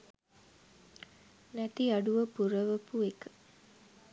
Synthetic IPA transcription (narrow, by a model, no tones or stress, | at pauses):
næt̪iɐɖuʋɐpuɾɐʋɐpuekə̥